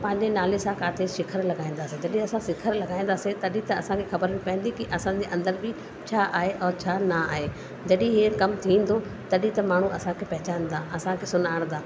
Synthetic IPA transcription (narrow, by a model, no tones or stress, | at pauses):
pɐ̃ɦɪ̃ɲd͡ʑenaːlesãkaːt̪ʰeʃɪkʰəɾlɐɡaːĩːn̆d̪aːsed͡ʑɐɗĩɐsãsɪkʰəɾlɐɡaːĩnd̪aːset̪ɐɗĩt̪ɐɐsãkʰexɐbəɾbɪ̃pɐɦĩːnd̪ikiʔɐsãd͡ʑeːʔɐ̃nd̪əɾbɪ | t͡ɕʰaːʔaːɦeʔɔːt͡ɕʰaːnɐaːɦeː | d͡ʑɐɗĩɦiːkɐmt̪ʰĩːn̆d̪o | t̪ɐɗĩt̪ɐmaːɳ̤uɐsãkʰepɐɦɪt͡ɕaːnd̪aːɐsãkʰesʊnaːəɽ̃d̪aː